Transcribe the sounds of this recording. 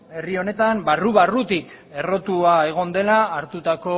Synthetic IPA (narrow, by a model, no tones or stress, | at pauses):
e̞rio̞ne̞t̪ambaruβarut̪ik | e̞ro̞t̪uae̞ɣ̞o̞nd̪e̞laːɾt̪ut̪ako̞